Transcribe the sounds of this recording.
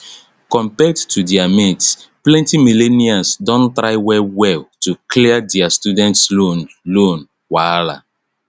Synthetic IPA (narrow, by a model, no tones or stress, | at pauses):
kɔ̃mpɛdtudiamitsplɛ̃ntimileniãnsdɔ̃ntɹaɪwɛlwɛltukliadiastudɛ̃ntson | lõn | wala̰